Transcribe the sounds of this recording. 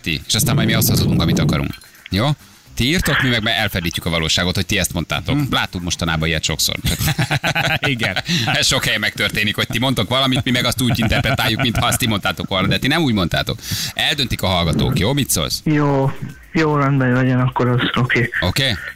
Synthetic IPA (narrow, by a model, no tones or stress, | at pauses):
t̪ḭeːʃɒst̪aːmɒjd̪miɒst̪hɒzut̪uŋkɒmit̪ɒkɒɾṵŋk | joː | t̪iiːrt̪o̞kmimɛɡmɛɛlfɛd̪iːcːy̥kɒvɒloːʃaːɡo̞t̪ho̞c̚t̪iɛst̪mo̞nt̪a̰ːt̪o̞̰kla̰ːt̪ːukmo̞ʃt̪ɒnaːbɒiɛt̪ʃo̞̰kso̰rt͡ʃɒk | iɡɛnɛʃo̞khɛjɛmɛkt̪ørt̪eːnikhoc̚t̪imo̞nt̪okʋɒlɒmit̪mimɛɡɒst̪uːɟ̪int̪ɛrpɾɛt̪aːjːukmint̪hɒɒst̪imont̪aːt̪o̞kʋolnɒd̪ɛt̪inɛmuːɟmo̞nt̪a̰ːt̪o̞̰kɛld̪ønt̪ikɒɦɒlɡɒt̪o̰ːkjoːmit̪so̰lsjoː | joːɾɔnbɛjlɒɟonɒkːoɾɔzokeːokeː